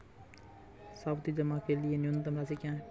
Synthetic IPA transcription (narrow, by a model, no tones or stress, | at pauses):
sabt̪iːd͡ʒəmaːkeːlɪeːnjʊnt̪əmɾaːsikãː